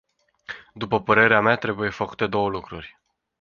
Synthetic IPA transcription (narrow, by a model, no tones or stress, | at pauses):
d̪upəpəɾe̞ɾeamat̪ɾe̞buje̞fəku̥t̪e̞d̪o̞wəlukɾurʲ